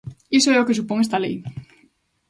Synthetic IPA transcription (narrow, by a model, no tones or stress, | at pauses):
isoɛokesupõŋest̪alḛj